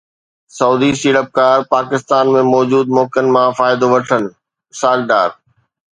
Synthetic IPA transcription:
sɐuːd̪isiːɽəp̚kaːɾpaːkɪst̪aːnmẽmɔːd͡ʑuːd̪mɔːkənɪ̆mãfaːɪd̪oʋɐʈʰənɪ̆ | saːlɖaːɾ

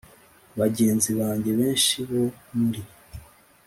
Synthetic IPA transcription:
βaɟe̞ːnziβaːɲɟe̞βe̞ːnʃiβo̞ndi

